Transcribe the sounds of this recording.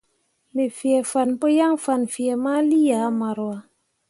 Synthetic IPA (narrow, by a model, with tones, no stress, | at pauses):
me˨fi˨e˨fa˨npo˦ja˦ŋfa˨nfi˨e˨ma˦li˦ja˨˦ma˨ɾwwa˦